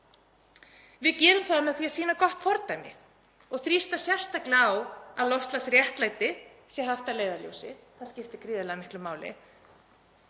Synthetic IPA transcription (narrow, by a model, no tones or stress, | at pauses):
vɪðcɛːɾʏmθaðamɛðθiːasiːnakɔht̪fɔɾt̪ajmɪ̰ | ɔɣθɾist̪asjɛr̥st̪aklawaðlɔst̪lasrjɛht̪laːjt̪ɪ | sjɛɦaft̪aleːjðaljo̰wsɪθaðscɪft̪ɪkɾiːðalamɪhklʏmaːwlɪ̰